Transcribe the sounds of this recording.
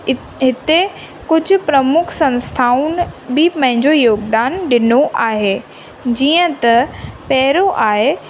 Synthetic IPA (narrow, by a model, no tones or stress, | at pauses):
ɦɪt̪e | kʊd͡ʑʱʊ̆pɾɐmʊkʰsɐ̃nst̪ʰaːunbɪpɐ̃ɦɪ̃ɲd͡ʑojoːɡd̪aːnɗɪnoʔaːɦeː | d͡ʑiːə̃t̪ɐpɛɦɪɾoʔaːɦe